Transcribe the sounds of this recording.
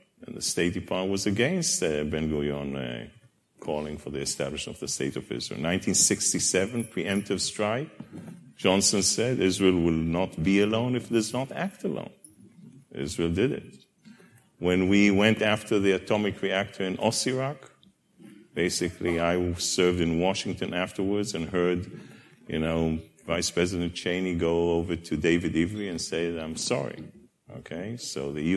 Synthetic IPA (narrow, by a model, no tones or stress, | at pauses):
ɨ̃nðəsteɪtipʰɑɹwʌzɨɡɛ̃nstbɛ̃nɡojɔ̃n̰ | kʰɔlˠɪ̃ŋfə˞ðiɨstæblɨʃnʌvðəsteɪɾɔ̰vɪ̰zɹḭl̩ˠnãɪ̃ntʰĩnsɪkstisɛvə̃npʰɹ̥iɛ̃mp̚tɨv̥stɹ̥aɪkd͡ʒɑ̃nsɨ̃nsɛdɪzɹilˠwɪlˠnətbiɨlõʊ̃nɨfdʌznətæk̚təlõ̰ʊ̃n | ɪ̰zɹilˠdɪdɪ̰t̚ | wɨ̃nwiwɛ̃ntæftʰə˞ðiɨtʰɔmɨkʰɹiæk̚tʰə˞ɨ̃nʔɔ̰siɹɑk | b̥eɪsɨkʰliaɪsɜ˞vdɨ̃nwɑʃɪ̃ŋtɨ̃næftə˞wə˞dzɨ̃nhɜ˞d | jɨ̰noʊvaɪspʰɹ̥ɛzɨɾɨ̃nt͡ʃʰẽɪ̃niɡoʊoʊvə˞tʰɨdeɪvɨɾivə˞iɨ̃nseɪðɨãɪ̃msɑ̰ɹḭ | oʊkʰeɪsoʊðɨj